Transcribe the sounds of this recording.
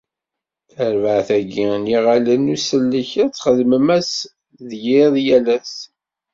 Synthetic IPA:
θəɾvəʕθæɡiniʁalənusəlːəçæt͡sːχəðməmæs | ðjɪðˤjælæs

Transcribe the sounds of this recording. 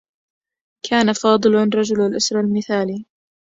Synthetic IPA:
kʰaːnafɑːd̪ˤɨlnɾˤɑd͡ʒʊlalʔʊsɾˤɑlmɪθaːliː

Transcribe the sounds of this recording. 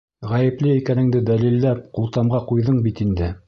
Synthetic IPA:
ʁæjɘ̆plɘikænɘ̆ŋd̪ɘd̪ælilːæp̚qulˠt̪ɑmʁɑqujðɤɴbit̪ind̪ɘ

